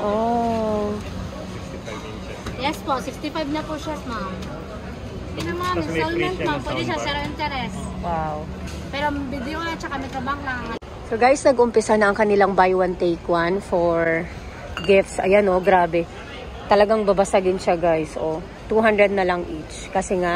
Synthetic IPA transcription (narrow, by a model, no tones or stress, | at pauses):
ʔo | jɛspoʔfɪft̪ɪfajbnɐpʊʃamam | ɪnɐmɐamɪɛlmɛnt̪mampwɛd̪ɛʃasɛɾʔɪnt̪ɛɾɛswaw | pɛːɾoʔɐbid̪ɛjoat͡ʃɐkɐmɐɡ̚sɐbaŋlɐɐ | soɡajsnɐɡʊmpɪsanɐʔɐŋkɐnɪlaŋbajwɐnt̪ejkwanfoɹ | ɡɪft̪sʔɐ̰janoɡɾaːbɛ | t̪ɐlɐɡaŋbɐbɐsaɡɪnʃaɡajsʔo | t̪uɦand̪ɹɛd̪̚nɐlɐŋʔit͡ʃkɐsɛŋaʔ